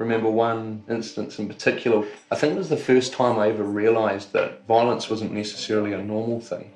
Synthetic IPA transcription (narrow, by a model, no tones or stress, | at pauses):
ɹʔɨmɛ̃mbə˞wʌ̃nɪ̃nstə̃nsɨ̃n̩pʰə̥tʰɪkʰjl̩ˠə˞aɪθɪ̃ŋkɪt̚wʌzðəfɜˑ˞stʰãɪ̃maɪɛvəɹiəlaɪzðə̰t̚vaɪəlˠə̃nswʌzə̃nnːɛsə̥sɛɹl̩ˠiənɔɹməl̩ˠθɪ̰̃ŋ